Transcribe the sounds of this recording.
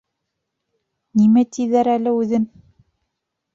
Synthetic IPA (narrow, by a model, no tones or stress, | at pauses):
nimæt̪ʰiðæɾælɘʉðɘn